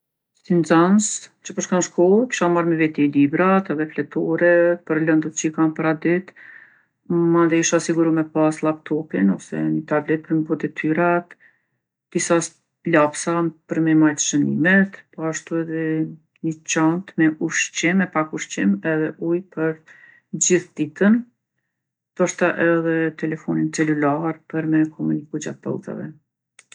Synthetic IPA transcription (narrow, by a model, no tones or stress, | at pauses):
t̪ind͡zanst͡ɕəpəɾʃkanʃkɔlˠki̥ʃamaɾməvɛt̪ilibɾat̪ɛðɛflɛt̪ʰɔɾɛpəɾlənd̪ət̪t͡ʃikanpaɾad̪it̪ | mand̪ɛiʃasiɡuɾumɛpaslˠapt̪ɔpinɔsɛ̰nət̪ablɛt̪̚pəɾməbɔd̪ɛt̪ʰyɾat̪ | d̪̥isas | lapsapəɾmɛmajt̪ə̥ʃənimɛt̪pɔaʃt̪uɛðɛ | ɲət͡ɕant̪mɛʔuʃt͡ɕimːɛpakuʃt͡ɕimɛðɛʔujpʰəɾ | d͡ʑiθd̪it̪ən | d̪̥ɔʃt̪aʔɛðɛt̪ɛlɛfɔnint͡sɛlulaɾpəɾmɛkʰɔmunikud͡ʑa̰t̪̚pɔ̰lt̪a̰vɛ̰